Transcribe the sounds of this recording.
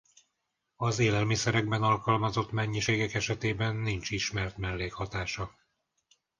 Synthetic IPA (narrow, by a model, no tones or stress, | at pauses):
ɒzeːlɛlmisɛɾɛɡ̚bɛnɒlkɒlmɒzo̞t̪mɛɲːiʃeːɡɛkɛʃɛt̪eːbɛnːint͡ʃiʃmɛrt̪mɛlːeːkhɒt̪aːʃɒ